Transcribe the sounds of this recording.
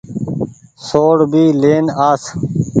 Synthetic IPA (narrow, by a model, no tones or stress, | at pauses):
soːɽbiːleːnaːs